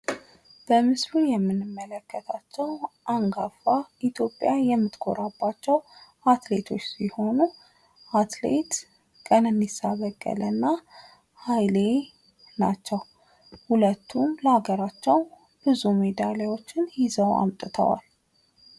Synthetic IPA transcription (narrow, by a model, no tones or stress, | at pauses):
b̥əmɨslujɛmːɨnːɨmːələkːət̪ʰat͡ʃːɛwʔaŋɡafait̪ʰjo̞pʼːjajɛmːɨt̪ɡʰo̞̰ɾabːat͡ʃːɛw | at̪le̞t̪ʰo̞t͡ʃːsiho̞nu | at̪lḛt̪ | kʼənɨndisːaβəkʼːə̰lənːa | hajle̞ | nat͡ʃːɛw | hulət̪ʰːumləhaɡəɾat͡ʃːɛw | b̥ɨzume̞d̪alewo̞t͡ʃːɪnhizəwa̰mt̪ʼɨt̪ʰə̰wa̰l